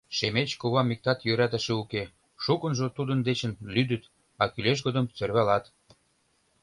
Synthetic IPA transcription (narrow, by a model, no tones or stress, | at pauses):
ʃemet͡ɕkuβɑmːik̚t̪ɑt̪jøɾæt̪ə̆ʃeuke | ʃukə̆nʒot̪ud̪ə̆nd̪et͡ɕə̆nlyd̪ət̪ | ɑkyleʃ̬ɡod̪əmt͡sørβælɑt̪